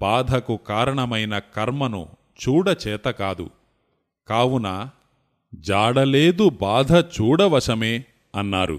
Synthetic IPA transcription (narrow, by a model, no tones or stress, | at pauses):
b̥aːd̪ʱɐkukaːɾɐɳɐmɐjnɐkɐɾmɐnṵ | t͡ʃuːɽɐt͡ʃɛːt̪ɐkaːd̪ṵ | kaːwunaː | d͡ʒaːɽɐle̞ːd̪ubaːd̪ʱɐt͡ʃuːɽɐʋɐʂɐmeː | ɐnːaːɾṵ